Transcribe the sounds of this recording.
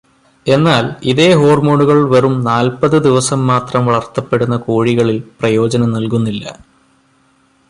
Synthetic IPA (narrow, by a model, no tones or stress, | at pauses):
e̞nːaːliðe̞ːɦo̞ːrmoːɳuɣɐɭʋɐrumnaːlpɐðɨd̪iʋɐsɐmːaːt̪rɐmʋɐɭɐrt̪ɐpːe̞ɽunːɐkoːɻiɣɐɭilprɐjo̞ːd͡ʑɐnɐmnɐlkunːilːɐ̰